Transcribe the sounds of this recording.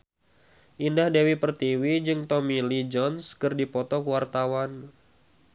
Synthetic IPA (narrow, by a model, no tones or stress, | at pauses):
ʔindahdewipərt̪iwid͡ʒɨŋt̪ɔmilid͡ʒɔnskɨrdipɔt̪ɔkwart̪awan